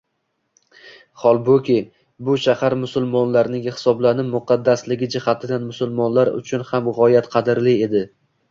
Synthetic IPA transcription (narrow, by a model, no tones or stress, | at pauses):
χɒlˠbokʲʰe | bʊʃahaɾmʊsʊlˠmɒnlaɾnɪŋhɪ̥sɒblanɪmʊqʰɑd̪ːaslɪɡʲɪd͡ʒɪhat̪ʰɪd̪anmʊsʊlˠmɒnlaɾʊ̰t͡ʃʰʊnhamʁɒjat̪qʰɑd̪ɪɾlɪe̞d̪ɪ